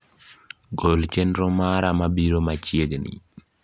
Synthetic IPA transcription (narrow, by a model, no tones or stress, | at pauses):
ɡolt͡ʃenɾomaɾamabiɾomat͡ʃjeɡnḭ